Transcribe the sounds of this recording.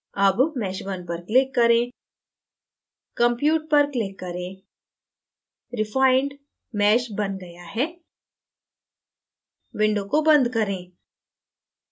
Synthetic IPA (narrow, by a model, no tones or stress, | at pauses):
ɐbmɛːʃbɐnpɐɾklɪkːɐɾẽː | kɐ̃mpjuːʈ̚pɐɾklɪkːɐɾẽː | ɾɪfaːɪɳɖ | mɛːʃbɐnɡɐjaɦɛː | ʋɪ̃ɳɖõkobɐ̃nd̪kɐɾẽː